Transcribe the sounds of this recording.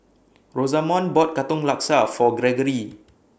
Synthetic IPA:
ɹozamɔ̃nbɔt̚kat̪ɔ̃ŋlak̚safɔɡɹɛɡəɹi

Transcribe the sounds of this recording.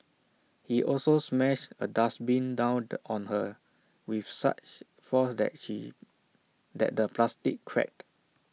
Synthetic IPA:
hiʔɔlsosmɛʃtədasbĩndãwɔ̃nhə | wifsa̰t͡ʃ | fɔsdɛ̰t̚ʃḭ | dɛ̰t̚dəplastikːʰɹɛ̰k̚t

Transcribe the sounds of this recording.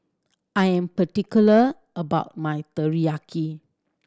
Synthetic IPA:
ʔajɛ̃mpətikjulə | ʔəbaʊt̚majt̪əɹiakʰi

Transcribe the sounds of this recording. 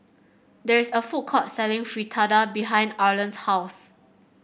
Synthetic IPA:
dɛɹisəfut̚kʰɔt̚sɛlɪ̃ŋfɹitʰadabiɦãj̃ndalə̃nshaʊs

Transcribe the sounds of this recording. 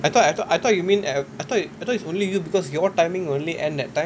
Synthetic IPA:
ajt̪ɔtajt̪ɔajt̪ʰɔt̚jumĩnɛajt̪ʰɔtiajt̪ɔtitsõnlijubikɔsjɔtãɪmĩŋõnliʔɛ̃ndɛtːãɪ̃m

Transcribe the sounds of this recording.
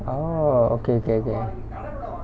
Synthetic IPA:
oo̰keokeoke

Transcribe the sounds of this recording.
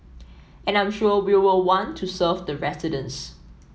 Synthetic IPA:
ɛ̃nãɪ̃mʃuəwiwɪlwɔ̃ntʰːusəvdəɹɛsɪdə̃ns

